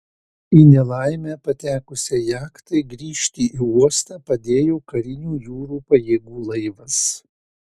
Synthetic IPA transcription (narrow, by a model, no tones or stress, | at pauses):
iːnʲɛlˠɑˑɪmʲæːpɐt̪ʲæːkʊsʲɛjæːkt̪ɐɪɡɾʲiːʃʲt̪ʲiːʔiːuɔst̪ɑːpɐd̪ʲeːjoːkɐɾʲɪnʲuːjuːɾuːpɐjeːɡuːlˠɐɪʋɐs